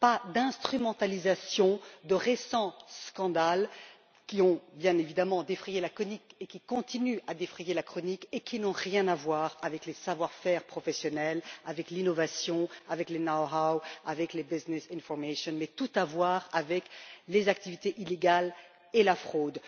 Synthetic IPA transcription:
pad̪ɛ̃st̪χymɑ̃t̪alizasjɔ̃d̪əʁesɑ̃skɑ̃d̪al | kʲiɔ̃bjɛ̃nevid̪amɑ̃d̪efχijelakɔnikekʲikɔ̃t̪inyad̪efχijelakχɔnikekʰʲinɔ̃ʁjɛ̃navwaːʁavɛklesavwaʁfɛʁpχɔfɛsjɔnɛlavɛklinɔvasjɔ̃avɛklenaɦawavɛklebiznɛsĩnfɔʁmeʃjɔnmɛt̪ut̪avwaʁavɛklezak̚t̪ivit̪eʔileɡal | elafχod̪

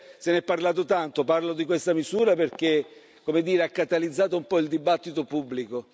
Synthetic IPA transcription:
senɛpːarlaːt̪̬ot̪ant̪oparlod̪ikwest̪amisuːɾaperk̟e | kːomed̪iːɾeakːat̪alid̪zːaːt̪̬oumpɔild̪ibat̪ːit̪opubːliko

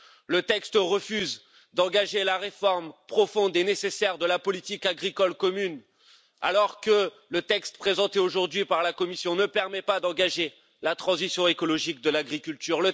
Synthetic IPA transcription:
lət̪ɛkst̪ʁəfyz | d̪ɑ̃ɡaʒelaʁefɔʁmpχɔfɔ̃d̪enesesɛʁd̪əlapɔlit̪ikaɡʁikɔlkɔmyn | a̰lɔʁkə | lət̪ɛkst̪pχezɑ̃t̪eoʒuʁd̪ɥipaʁlakɔmisjɔ̃nəpɛʁmɛpad̪ɑ̃ɡaʒe | lat̪χɑ̃zisjɔ̃ekɔlɔʒik̚d̪əlaɡʁikʲylt̪yʁlə

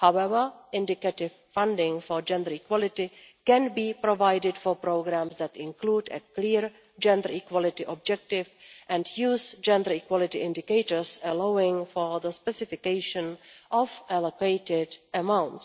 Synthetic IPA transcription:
hawɛvə˞ʔɪ̃ndɪkɛtɪvfãndɪ̃ŋfɔɹd͡ʒɛ̃ndə˞ikwɔlɪtɪkɛ̃nbiːpɾovajdɪdfɔpɾoɡɾæ̃msd̪ætɪ̃nkluːdɛ̰kliːɹ | d͡ʒɛ̃nd̪əɹikwɔlɪtɪʔɔb̚d͡ʒɛk̚tɪvʔɛ̃ndjuːzd͡ʒɛ̃ndə˞ikwɔlɪtɪʔɪ̃ndɪkeɪtəɹsɛlawɪ̃ŋfoɹðəspɛsɪfɪkeɪʃə̃nʔɔfʔɛlokeɪtɪdʔəmãwnts

